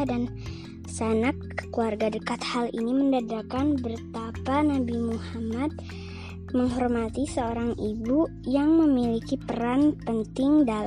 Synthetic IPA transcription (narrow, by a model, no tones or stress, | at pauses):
dan | sanakː | ə̥kluarɡadəkat̪halḭniməndadakanbərt̪apanabimuhamat̪̚ | məŋɦɔrmat̪isəoɾaŋʔibu | jaŋməmilikipəɾanpənt̪ɪŋda